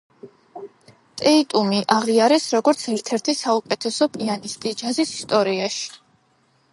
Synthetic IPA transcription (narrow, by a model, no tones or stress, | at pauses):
t̪ʼɛit̪ʼumiʔaʁiaɾɛsɾɔɡɔɾt̪sʰɛɾt̪ʰɛɾt̪ʰisaukʼɛt̪ʰɛsɔpʼianist̪ʼid͡ʒazisi̥st̪ʼɔɾiaʃi̥